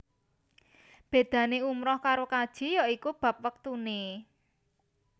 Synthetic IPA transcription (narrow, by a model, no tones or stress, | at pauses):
b̥e̤d̪̥ä̤neumɾɔhkaɾokad̥ʒ̥i̤jɔikub̥ä̤p̚wək̚t̪une